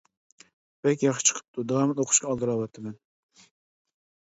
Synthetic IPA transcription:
b̥ɛkʲjɑχʃɨ̥t͡ʃʰɨ̥qʰɨ̥p̚t̪ʰːʊd̪ɑɑmɪnoqʰʊ̥ʃkʲɑːlˠd̪ɨɾɑwɑt̪ʰːɪmæn

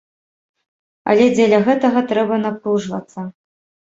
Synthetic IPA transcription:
ɐ̰lʲɛd͡zʲelʲɐɣɛt̪ɐɣɐt̪ɾɛbɐnapɾuʐvɐ̰t̪sːɐ

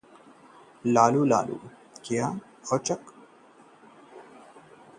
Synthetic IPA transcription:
laːluːla̰ːlṵː | kijaː | xɔt͡ʃɐk

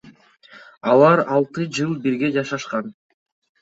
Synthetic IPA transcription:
ɑlˠɑɾɑlˠt̪ɯd͡ʒɯlˠbiɾɡe̞d͡ʒɑʃɑʃqɑn

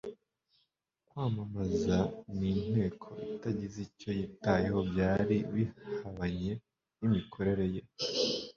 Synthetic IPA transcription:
kwaːmamazaniːn̥he̞ːkʰo̞̰itaɟizico̞jitajeho̞bjaːɾiwihaβaɲe̞ | imikʰo̞ɾe̞ɾe̞je

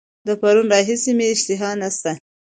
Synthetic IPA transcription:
d̪əpaɾunɾɑɦisimeɪʃt̪ɪɦɑnast̪a

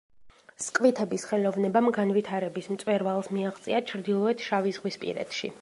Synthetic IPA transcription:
skʼvit̪ʰɛbisχɛlɔvnɛbamɡanvit̪ʰaɾɛbismt̪sʼwɛɾvalˠsmiaʁt̪sʼḭat͡ʃʰɾd̪ilˠɔɛt̪ʰʃavizʁwispʼḭɾɛ̰t̪ʃḭ

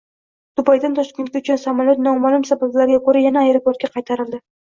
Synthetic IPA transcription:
t̪ʊpʰajd̪ant̪ʰɒʃkʲe̞nt̪kʲaʊt͡ʃʰʊnsamalˠjɒt̪̚nɒmalˠʊmsabablaɾɡʲakʰoɾajanaːjɾapoɾt̪̚kʲaqʰɑjt̪ʰaɾɪld̪ɪ

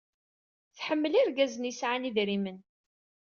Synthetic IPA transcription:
θħəmːəliɾɡæzənisʕaniðɾimən

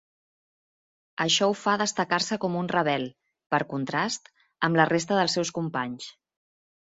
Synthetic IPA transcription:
əʃɔufaðəst̪əkaɾsəkɔmunrəβɛl | pəɾkunt̪ɾast̪ | əmləres̬t̪əðəlˠsɛwskumpaɲs

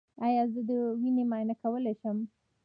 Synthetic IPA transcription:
ɑjɑzəd̪əwinemɑjnakawəlajʃəm

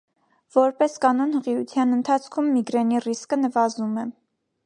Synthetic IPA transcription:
v̥ɔɾpɛskɑnɔnhəʁiut͡s̪ʰjɑnənt̪ʰɑt͡sʰkʰumːiɡɾɛniriskənəvɑzumɛ

